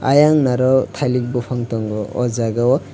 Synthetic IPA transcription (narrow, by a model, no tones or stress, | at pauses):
a̰jaŋnaɾɔt̪ʰajlik̚bɔpʰaŋtɔŋɡɔɔ̰zaɡawɔ